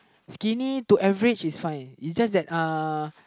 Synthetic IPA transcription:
skinituʔɛvəɹit͡ʃisfãjnisd͡ʒasdɛt̚a

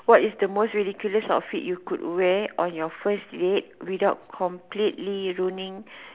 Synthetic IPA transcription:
wɔtisdəmostɹidikjuləsɔ̰fḭtjukṵdwɛʔɔ̃njɔfəsdet̚widaʊt̚kʰɔ̃mplitliɹunĩŋ

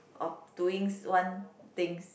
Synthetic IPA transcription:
ʔɔfd̥uɪ̃ŋswãnt̪ɪ̃ŋs

